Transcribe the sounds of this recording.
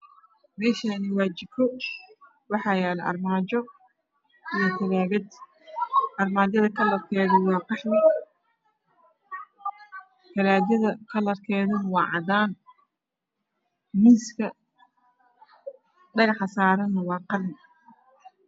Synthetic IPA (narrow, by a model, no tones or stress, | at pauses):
mɛːʃanɪwɑːt͡ʃɪb̚kʰɔ | wɑħɑːjɛːlʔɐ̰rmaːt͡ʃɔ | ɪjɐt̪ʰɐlaːβɐd̪ | ʔɐrmaːdjɐðɐkʰɐlɐrkʰɛːðɐwɑːbɑħmɪ | k̪ʰɐlaːd̪jɐðɐkʰɐlɐrkʰɛːðɐnɐwɑːʕɑd̪aːn | miːskʰɐ | ɖɐɣɑħɐsaːɾɐnːɐwɑːqɑrnɪ